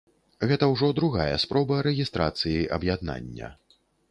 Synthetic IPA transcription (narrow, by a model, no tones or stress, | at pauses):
ɣɛt̪ɐwʐɔd̪ɾuɣajɐspɾɔbɐɾɛɣʲist̪ɾat̪sɨjiʔɐbjad̪na̰nʲːɐ̰